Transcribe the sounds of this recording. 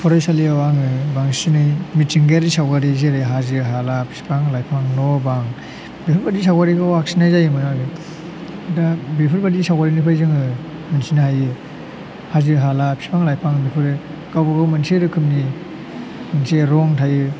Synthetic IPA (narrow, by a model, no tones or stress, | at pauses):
pʰɔɾajsaliawaŋɯbaŋsinajmitiŋɡeɾisawɡaɾizeɾɯɦazɯɦalapʰi̥si̥pʰaŋlajpʰaŋnɔbaŋ | bipʰɯɾbadisawɡaɾiɡawaksinajzajɯmɯnaɡɯ | dabipʰɯɾbadisawɡaɾinipʰajzɯŋɯ | mɯnsinahajɯ | haziɦalapʰsi̥pʰaŋlajpʰaŋbipʰɯɾɯ | ɡawbɯɡawmɯnseɾɯkʰɯmni | manseɾɔŋtʰajɯ